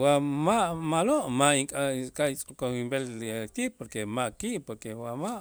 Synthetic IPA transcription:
wamaʔmaloʔmaiŋkʼakʼait͡sʼkoimbelt̪ipoɾkemaʔkiʔpoɾkewamaʔ

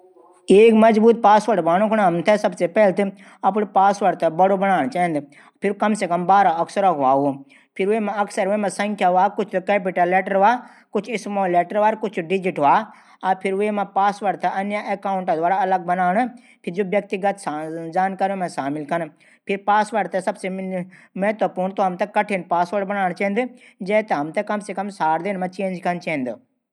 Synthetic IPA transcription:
eːkmɐzbuːt̪̚paːsʋəɾʋaːñõkʰʊɽaːmt̪ʰɛsɐbsepɛɦlt̪ɨ | ɐp̬ɽpaːsʋəɾt̪ʰɛbɐɽobɐnaːɽ̃t͡ʃaːẽnd̪ | pʰɪɾkɐmsekɐmbaːɾaɐksəɾɔkʋaːɦo | pʰɪɾʋemãɐksəɾʋemãsɐ̃ŋkʰjaʋaːkʊt͡ʃ̪ʰkeːp̬ɪʈəlːeːʈəɾʋaː | kʊt͡ʃʰɪsmoːleːʈəɾʋaːɾkʊt͡ʃʰɖɪd͡ʒɪʈʋaː | apʰɪɾʊemãpaːsʋəɾɖt̪ʰɛʔɐnjaʔekaːʊ̃ɳʈd̪ʋaːɾaɐləɡ̚bɐnaːɳ̃ | pʰɪɾd͡ʒobjɐk̚t̪iɡət̪ːd͡ʒaːnkaːɾomãʃaːmɪlkʰɐn | pʰɪɾpaːsʋəɾɖt̪ɛsɐbsemeːt̪opuːnt̪oɦɐmt̪ɛkɐʈʰenpaːsʋəɾɽbɐnaːɽ̃t͡ʃẽːnd̪ɪd͡ʒɛːt̪eɦɐmt̪ɛkɐmsekɐmsaːɾd̪inmãt͡ʃẽːɲd͡ʒkʰɐnt͡ʃẽːnd̪ɪ

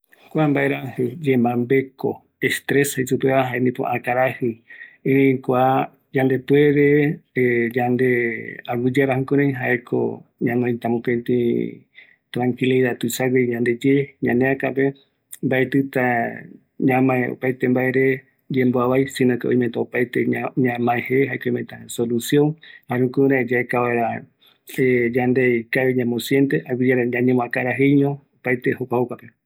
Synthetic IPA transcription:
kʷambaeɾahɨd͡ʒembãmbe̞ko̰ | est̪ɾeshajsupeβaɦaend̪ipo̰ʔakaɾahɨẽɾĩkʷa | d͡ʒand̪e̞pueɾe | d͡ʒand̪eawud͡ʒaɾahukõɾẽj̃ɦaʔekʰo̰ɲãnõj̃t̪amũpent̪ĩ | t̪ɾãŋkiliðat̪ɨsaɡed͡ʒãnd̪e̞d͡ʒeɲãneakape | mbaet̪ɨt̪a | ɲãmãeo̰pajt̪e̞mbaeɾe̞ | d͡ʒemboaβajsĩnokeõ̰ĩmet̪aopajt̪eɲãmãeheɦaekoĩmbeʔet̪asolusjõŋhaɾũkuɾaed͡ʒaekaβaeɾa | ed͡ʒand̪ekaβiɲãmosjent̪eaɡid͡ʒaɾaaɲẽmõakaɾaɦejɲõopajt̪ehokʷahokʷape

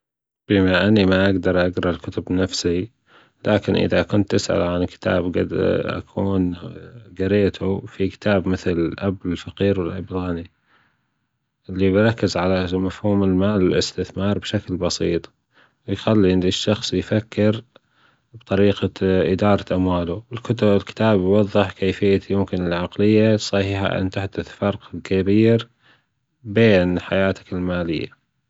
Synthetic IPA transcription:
b̥ɪmaʔanːimaʔaɡd̪ɑɾˤʔaɡɾˤalkʊt̪ʊbnafsi | laːkɪnʔɪ̰ðakʊnt̪ʔɪsʔa̰lʕankɪ̥t̪ʰa̰ːbɡa̰d̪ʔa̰kʰuːnɡaɾeːt̪ʰufikɪ̥t̪ʰaːbmɪθlʔabɪlfaqiːɾwɪlʔabɪlɣani | ʔɪlːibɪɾˤɑkːɪzʕalamafhuːmɪlmaːlɪlɪst̪ɪθmɑːɾˤbʃaklbɑsiːt̪ˤ | wɪjxalːinɪʃːɑxsˤjfakːɪɾ | bt̪ˤɑɾiːqaʔɪd̪ɑːɾˤɑʔamwaːluwɪlkʊt̪ɪlkɪ̥t̪aːbjwɑðˤːɨħkeːfɪjːajʊmkɪnɪlʕaqlɪjːasˤɑhħa̰ʔɪ̰nt̪aħd̪ʊθfɑɾˤqɪlkabiːɾ | beːnħajaːt̪ḁkɪlmaːlɪjːa̰

